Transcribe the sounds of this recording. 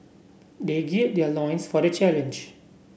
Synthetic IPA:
d̪eɡetd̪elɔ̃ɪ̃nsfɔɾet͡ʃælə̃nd͡ʒ

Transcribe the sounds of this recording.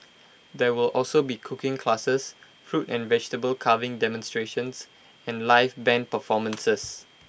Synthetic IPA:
dɛwɪlʔɔlsobikʰʊkɪ̃ŋkʰlasəs | fɹutɛ̃nvɛd͡ʒtəbəlkʰavɪ̃ŋdɛmə̃nstɹeʃə̃ns | ɛ̃nlaɪfbɛ̃n̚pəfɔmə̃nsəs

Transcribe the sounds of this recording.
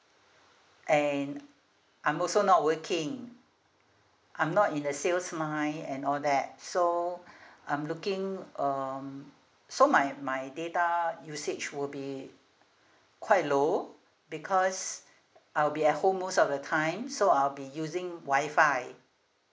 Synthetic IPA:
ʔɛ̃n | ʔãɪ̃mɔlsonɔt̚wəkʰɪ̃ŋ | ʔãɪ̃mnɔtĩndəselsmaɪɛ̃nɔldɛt̚so | ʔãɪ̃mlukɪ̃ŋʌm | somajmaɪdetajuset͡ʃwilbi | kʰwaɪt̚lo | bikʰɔs | ʔaɪwbiɛt̚homusɔfdətʰãɪ̃msoaɪlbijuzɪ̃ŋwaɪfaɪ

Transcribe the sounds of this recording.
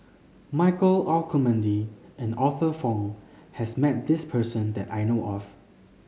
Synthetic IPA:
maɪkəlalkʰəmə̃ndiʔɛ̃nɔθəfɔ̃ŋhɛsmɛt̚d̪ɪspʰəsə̃nd̪ɛtajnoʔɔf

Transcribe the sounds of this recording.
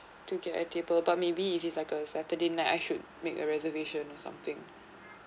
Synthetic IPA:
tuɡɛtə̰tʰebəlbat̚mebiːfitslaɪkəsɛtədenaɪtajʃud̚mekə̰ɹɛzəveʃə̃nɔsã̰mt̪ɪ̃ŋ

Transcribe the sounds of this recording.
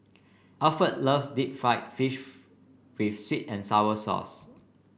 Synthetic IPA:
alfət̚ləvsdip̚fɹaɪt̚fiʃ | wifswitɛ̃nsaʊəsɔ̰s

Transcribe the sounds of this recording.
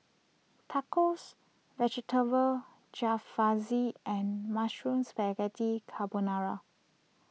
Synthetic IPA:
tʰakos | vɛd͡ʒɛtʰəvə | d͡ʒafːaziʔɛ̃nmaʃɹũnsbɛɡɛtikʰabunaɹa

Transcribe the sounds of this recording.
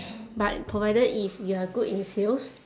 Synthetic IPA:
batpʰɹovajdəifjuaɡutĩnsels

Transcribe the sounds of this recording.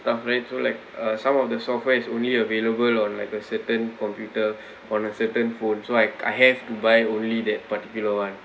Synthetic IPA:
stafɹaɪt̚solaɪk̚ʌsãmɔfdəsɔfwɛɪsõnliəveləbəlɔ̃nlaɪkəsətə̃nkɔ̃mpjutə | ʔɔ̃nəsətə̃nfõnsoaja̰jɦɛftubajõnlidɛt̚patikjuləwãn

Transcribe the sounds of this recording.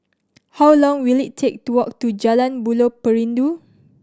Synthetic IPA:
hawlɔ̃ŋwilittʰek̚tuwɔk̚tud͡ʒalãnbulopəɹĩndu

